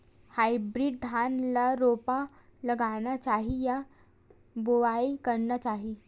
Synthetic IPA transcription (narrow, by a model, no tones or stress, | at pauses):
hajbɾiɖ̚d̪ʱanlaɾopa | ləɡʱaɳat͡ɕaɦija | boʋaikəɾɳat͡ɕaɦi